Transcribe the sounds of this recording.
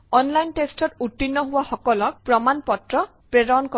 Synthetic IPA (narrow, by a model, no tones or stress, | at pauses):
ɔnlajntestɔtutːinːɔɦʊwaxɔkɔlɔk̚pɹɔmanpɔtɹɔ | pɹɛdankɔ